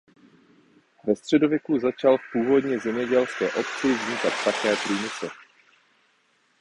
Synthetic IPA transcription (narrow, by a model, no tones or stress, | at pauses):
vɛst̪r̝̥ɛdo̞vjɛkuzat͡ʃalfpuːvo̞dɲɛzɛmɲɛɟɛlskɛːʔo̞pt͡sɪvzɲikat̪̚pakɛːt̪limɪt͡sɛ